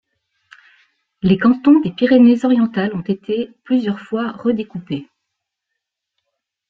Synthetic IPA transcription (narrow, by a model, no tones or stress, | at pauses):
lekɑ̃t̪ɔ̃d̪epiʁenezɔʁjɑ̃t̪alɔ̃t̪et̪ʰeplyzjœʁfwaʁəd̪ekupe